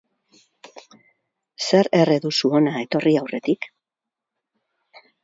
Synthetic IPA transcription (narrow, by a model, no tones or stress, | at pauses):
se̞ɾe̞reðusuo̞nae̞t̪o̞riawre̞t̪ik